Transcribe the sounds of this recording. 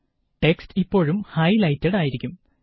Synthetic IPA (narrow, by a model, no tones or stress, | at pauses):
ʈe̞kstipːo̞ːɻumhɐjlɐjtːeɽaːjiɾikʲːum